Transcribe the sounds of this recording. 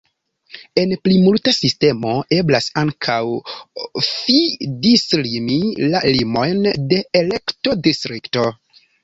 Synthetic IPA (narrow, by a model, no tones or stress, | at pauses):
e̞nplimultasiste̞mo̞e̞blasaŋkʰaw | fidislimilalimo̞jnde̞ele̞kto̞distɾikto̞